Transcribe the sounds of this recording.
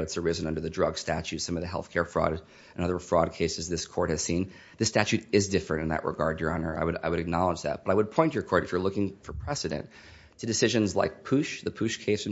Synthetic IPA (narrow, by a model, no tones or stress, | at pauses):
ɨtsə˞ɪzɨ̃nʌ̃ndə˞ðɨdɹʌɡstæt͡ʃʉtsʌ̃mʌvðɨɦɛ̰lˠθkʰɛɹfɹɔ̰ɾ | ɨ̃nʌðə˞fɹɔd̚kʰeɪsɨzðɪskʰɔɹt̚hɨz̥sĩn | ðɨstæt͡ʃʉɾɪzdɪfɹɨ̃tɨ̃nðɨ̰ʔɹʔə̰ɡɑɹd̚jə˞ɑnə̰˞a̰ɪwɨɾa̰ɪwɨɾɨk̚nɑlˠəd͡ʒðæ̰t̚b̥ʌɾaɪwəd̚pʰɔ̃ɪ̃nt͡ʃə˞kʰɔɹɾɨfjə˞lʊkɪ̃ŋfə˞pʰɹ̥ɛsɨɾɨ̰̃n | tʰɨdɨsɪʒɨ̃nzla̰ɪk̚pʰʉʃðɨpʰʉʃkʰeɪs